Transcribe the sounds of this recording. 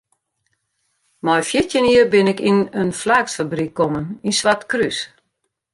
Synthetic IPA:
mɔjfjɪtjəniərbɪnɪkinənflaːksfabrikʰːɔməninsʋatkrys

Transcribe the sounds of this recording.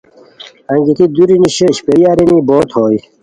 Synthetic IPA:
ɐ̃ŋɡit̪id̪uɾiniɕeɕpejaːɾiniːboːt̪hoːj

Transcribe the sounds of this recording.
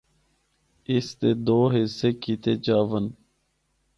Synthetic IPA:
ist̪ed̪oːɦɪsekit̪ʰeːt͡ɕaːʋən

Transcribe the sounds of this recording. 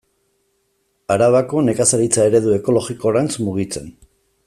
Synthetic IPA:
aɾaβako̞ne̞kasaɾit͡sae̞ɾe̞ðue̞ko̞lo̞ɣiko̞ɾant͡smuɣ̞it͡se̞n

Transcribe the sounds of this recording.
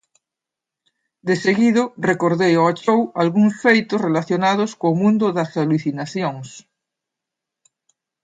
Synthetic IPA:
d̪eseɣiðorekoɾðejoat͡ʃowalɣuŋsfejt̪osrelaθjonað̞oskoːmũnd̪oðasaluθinaθjoŋs

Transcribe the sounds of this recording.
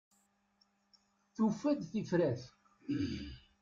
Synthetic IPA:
θufæðθifɾæθ

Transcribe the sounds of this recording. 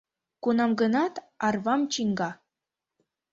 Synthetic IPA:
kunɑmɡɤ̆nɑt̪ | ɑrβɑmt͡ɕiŋɡɑ

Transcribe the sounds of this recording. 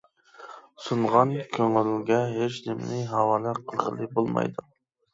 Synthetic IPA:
suɴʁɑnkʲʰøŋɪlɡʲɛɦet͡ʃnɪmnɪɦɑwɑːlɛqʰəlˠʁə̰lˠɨbolˠmɑ̰jd̪u

